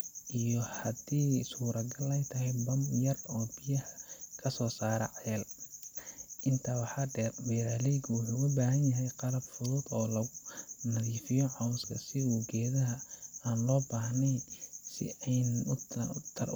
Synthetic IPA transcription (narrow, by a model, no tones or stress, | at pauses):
ʔijɔhɐd̪iːsuːɾɐɡɐlɛjt̪ʰɐɦɛjbɐmjɐrɔːbɪjɐhɐkʰɐsɔːsaːɾɐ̰ʕɛɛːl | ʔɪnt̪ʰawɑħɑɖɛːrmɛːɾaːlɛjɡʊwʊħuɐbaːɦɐnjɐɦɛjqɑlɐbfʊðuːd̪ɔːlɐɣʊnɐðiːfɪjɔʕɑwskʰɐsɪuːɡɛːðɐɦɐaːnlɔːbaːhnɛjsɪ̰ɛjnʊt̪ʰɐr